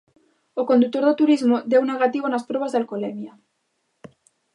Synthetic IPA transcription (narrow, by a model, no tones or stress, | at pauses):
okond̪uk̚t̪oɾðot̪uɾizmod̪ewneɣ̞at̪iβ̞onaspɾoβ̞azðalkolemja